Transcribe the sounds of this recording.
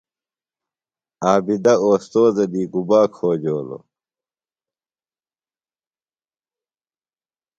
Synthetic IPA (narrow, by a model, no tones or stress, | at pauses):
aːbid̪ɐoːst̪oːzɐd̪iːɡubaːkʰoːd͡ʑoːlo̰